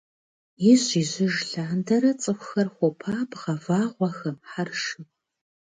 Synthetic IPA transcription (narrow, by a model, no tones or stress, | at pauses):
jɪɕiːʑɪʒɬaːndɐɾɐt͡sʼɨxʷxɐrχʷɔpʰaːpʁɐvaːʁʷɐxɐmħarʂɨpʼ